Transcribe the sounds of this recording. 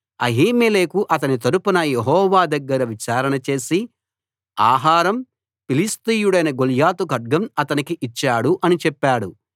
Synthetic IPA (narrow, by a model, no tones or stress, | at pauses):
ɐ̰ɦiːmeleːkuʔɐt̪̬ɐnit̪̬ɐɾupunɐjeɦɔːʋaːd̪ɐɡːɐɾɐʋit͡ʃaːɾɐɳɐt͡ʃe̞ːsi | aːɦaːɾɐm | pilist̪iːjuɽɐjnɐɡoljaːt̪uɡɐɖ̚ɡɐmɐt̪ɐnikiʔit͡ʃːaːɽuʔɐnit͡ʃɛpːaːɽu